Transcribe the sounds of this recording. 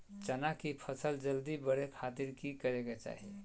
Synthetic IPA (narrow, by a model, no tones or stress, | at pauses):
t͡ʃənakipʰəsəld͡ʒəld̪ibəɽekʰat̪iɾkikəɾeket͡ʃa̰ːɦi